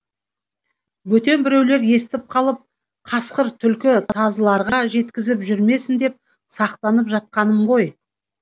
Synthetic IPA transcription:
wɵt̪e̞nbɪɾe̞wle̞ɾje̞st̪ɪp̚qʰɑlˠəp̚ | qʰɑsqəɾt̪ʰʏlkʲɪt̪ʰɑzəlˠɑɾʁɑɑʒe̞t̪kʲɪzɪpʒʏɾme̞sɪnd̪e̞p̚ | sɑqt̪ɑnəpʒɑt̪̚qɑnəmʁo̞j

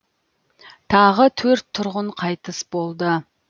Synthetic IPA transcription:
t̪ʰɑʁət̪ʰɵɾt̪ʰːʊɾʁʊɴqʰɑjt̪əsbo̞lˠd̪ə

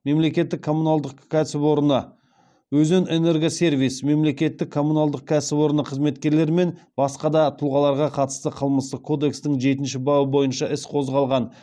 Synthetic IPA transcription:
me̞mle̞kʲe̞t̪ːɪkʰːo̞munalˠd̪əqkʲʰæsɪpo̞ɾənə | wɵzenene̞ɾɡose̞ɾvijsme̞mle̞kʲe̞t̪ːɪkʰːo̞munalˠd̪əq̚kʲʰæsɪpwo̞ɾənəqʰəzme̞t̪kʲe̞ɾle̞ɾme̞nbɑsqɑd̪ɑt̪ʰʊlˠʁɑlˠɑɾʁɑqʰɑt̪ə̥st̪əqʰəlˠməst̪əqkʰo̞d̪e̞kst̪ɪŋʒe̞t̪ɪnʃɪbɑwəbo̞jənʃɑʔɪsqʰo̞zʁɑlˠʁɑn

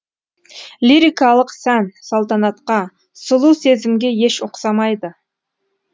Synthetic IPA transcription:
lʲiɾijkɑlˠəqsænsolˠt̪ɑnɑt̪qɑ | sʊlˠuse̞zɪmɡʲe̞je̞ʃʊqsɑmɑjd̪ə

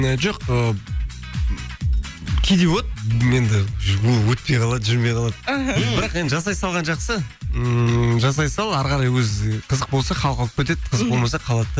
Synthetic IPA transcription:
əʒoqə | kʲʰejd̪ewot̪je̞nd̪ɪwolˠwɵt̪̚pejqʰɑlˠɑd̪ʒɪɾmejqʰɑlˠɑd̪bɪɾɑqje̞nd̪ɪʒɑsɑjsɑlˠʁɑnʒɑqsə | ʒɑs̬ɑjsɑlˠɑɾʁɑɾɑjwɵzqʰəzəq̚bo̞lˠsɑχʰɑlˠqɑəqpʲet̪̬e̞d̪qʰəzəq̚bo̞lˠmɑsɑqʰɑlˠɑd̪

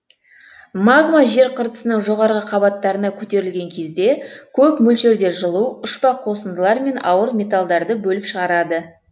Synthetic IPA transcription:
maɡmaʒe̞ɾqʰəɾt̪ə̥sənəɴʒo̞ʁɑɾʁəqʰɑbɑt̪ːɑɾənɑkʲʰɵt̪e̞ɾɪlɡʲe̞ŋkʲʰe̞zd̪e̞kʲʰɵpmɵlʃe̞ɾd̪e̞ɾʒəlˠuʊʃpɑqʰːo̞səmd̪əlˠɑɾme̞nɑ̰wəɾmʲe̞t̪alˠd̪ɑɾd̪əbɵlɪpʃəʁɑɾɑd̪ə

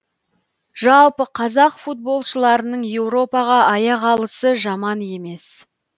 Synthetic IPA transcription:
ʒ̥ɑlˠpəqʰɑzɑqfut̪̚bo̞lˠʃəlˠɑɾənəɴje̞wɾo̞pɑʁɑʔɑjɑʁɑlˠəsəʒɑmɑnje̞me̞s

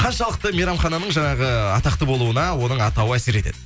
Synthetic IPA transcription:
qʰɑnʃɑlˠəq̚t̪əmeɾɑmχɑnɑnəɴʒɑɴɑʁəɑt̪ɑq̚t̪əbo̞lˠuənɑwo̞nəɴɑt̪ɑwəæse̞ɾe̞t̪e̞̰d̪ɪ

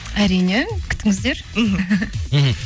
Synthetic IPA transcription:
æɾijnekʲʰʏ̥t̪ːɪŋɪzd̪e̞ɾ̩ | ɦ̩ɦ̩

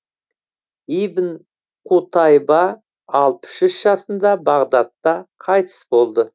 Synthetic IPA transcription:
ijvən | qʰut̪ɑjbɑː | lˠpə̥ʃʏʃʒ̥ɑsənd̪ɑbɑʁd̪ɑt̪ːɑqʰɑjt̪ə̥sbo̞lˠd̪ə

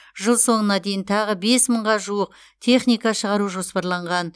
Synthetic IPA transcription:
ʒəlˠso̞ɴənɑd̪e̞jɪnt̪ʰɑʁəbe̞sməɴʁɑʒuəq̚ | t̪ʰe̞χnijkɑʃəʁɑɾuʒo̞spɑɾlˠɑɴʁɑn

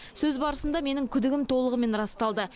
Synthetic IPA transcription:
sɵzbɑɾəsənd̪ɑme̞nɪŋkʲʰʏd̪ɪɡʲɪmt̪ʰo̞lˠəʁəme̞nɾɑst̪ɑlˠd̪ə

